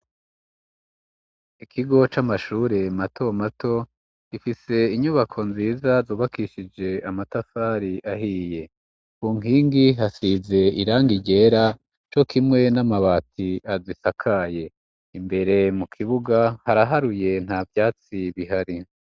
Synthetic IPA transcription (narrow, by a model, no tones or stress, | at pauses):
ikʰiɡo̞t͡ʃamaʃuːɾe̞matʰo̞matʰo̞ | ɡ̥ifise̞iɲuβakʰo̞nziːzazuːβakiʃid͡ʒe̞amatafaːɾiʔaɦiːje̞ | kuːŋiːŋɡiɦasize̞iɾaːŋɡiɟe̞ɾa | t͡ʃo̞kimŋe̞namaβaːtʰiazisakʰaje̞ | imbe̞ɾe̞mukʰiβuɡahaɾaɦaɾuje̞n̥haːvjaːt͡siβiɦaɾi